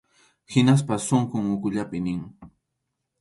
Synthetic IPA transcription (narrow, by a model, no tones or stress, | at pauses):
hɪnas̬pasoɴqʊŋʊkʊʎapɪnɪŋ